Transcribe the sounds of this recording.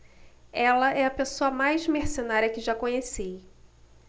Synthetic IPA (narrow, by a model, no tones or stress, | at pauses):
ɛlɐʔɛɐpesoɐmajzmeɾsenaɾʲjɐkɪʒakõɲesej